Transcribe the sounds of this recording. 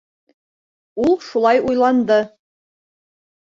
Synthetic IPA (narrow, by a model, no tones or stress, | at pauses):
ulˠʃulˠɑjujlˠɑnd̪ɤ